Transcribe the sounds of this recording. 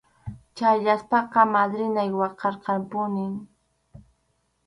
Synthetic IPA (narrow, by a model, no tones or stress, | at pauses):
t͡ʃaʎaspɑqɑmad̪ɾɪnajwɑqɑɾqɑmpʊnɪŋ